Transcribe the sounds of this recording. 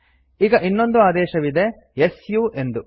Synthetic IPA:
iːɡɐʔinːo̞nd̪uaːd̪ɛːʃɐʋid̪e̞ | jesjuːʔe̞nd̪u

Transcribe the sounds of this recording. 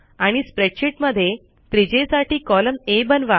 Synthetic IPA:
aɽ̃ispɾeʈɕiʈməd̪ʱːje | t̪ɾid͡ʑesaʈiːkɔləmebənʋa

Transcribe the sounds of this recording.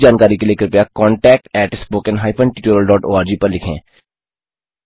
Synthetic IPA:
d͡ʒaːnkaːɾikelieːkɪɾpjakɔːɳʈɛːk̚ʈɛːʈspoːkənɦaːɪpʰə̃ɳʈiːʈoːɾəlɖɔːʈo̰ːaːɾd͡ʒiːpɐɾlɪkʰḛ̃ː

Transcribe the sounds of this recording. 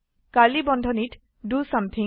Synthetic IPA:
kalibɔndʱɔnit | ɖusʌ̃mt̪ʰĩ

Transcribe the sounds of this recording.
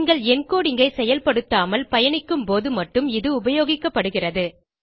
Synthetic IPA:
ŋɡɐɭɛnkoːɽɪŋɡɐɪsɛjɐlpɐɽɯt̪ːaːmɐlpɐjɐɳɪkːɯmpoːðɯmɐʈːɯmɪðɯʊbɐjoːɣɪkːɐpːɐɽɯɣɪrɐðɯ

